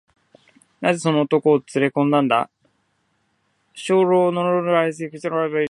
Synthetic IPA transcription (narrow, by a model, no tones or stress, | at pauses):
naze̞so̞noːt̪o̞koːt͡sɨɾe̞kõ̞nd̪ãnd̪a̰ | ɕoːɾo̞ːnoɾooɾɯais̬ɨikɯ̥ɕt̪eɾoebai